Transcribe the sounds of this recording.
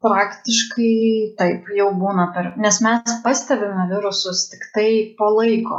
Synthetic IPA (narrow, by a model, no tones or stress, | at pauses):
pɾɑːkt̪ʲɪʃkɐɪt̪ɐɪpjɛʊbuːnɐpʲɛɾnʲɛsmʲɛspɐsʲt̪ʲɛbʲɪmʲɛʋʲɪɾʊsʊst̪ʲɪ̥kt̪ɐɪpoːlˠɐɪko̰ː